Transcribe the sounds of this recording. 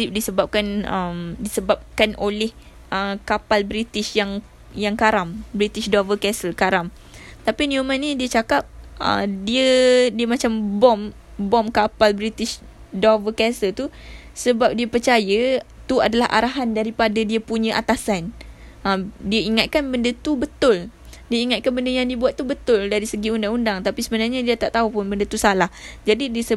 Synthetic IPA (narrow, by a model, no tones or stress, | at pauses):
dip̚disəbap̚kanəmdisəbap̚kanʔolɛh | ʔəkapalbɾit̪ɪʃjaŋ | jaŋkaɾambɾit̪ɪʃdɔvəkɛsəlkaɾam | t̪apiniumə̃nidiət͡ʃakap̚ʔə̰diədiəmat͡ʃambɔm | bɔmkapalbɾit̪ɪʃ | dɔvəkɛsəlt̪u | səbap̚diəpərt͡ʃajət̪ua̰dalaɦʔa̰ɾaɦandaɾipadadiəpuɲə̃ʔat̪asanədiəiŋat̪̚kanbəndət̪ubət̪ʊl | diəiŋat̪̚kanbəndəjaŋdiəbuat̪̚ːubət̪ʊldaɾisəɡiundaŋundaŋt̪apisəbənarɲadiət̪aʔt̪aupʊnbəndət̪usalahd͡ʒadidiəsə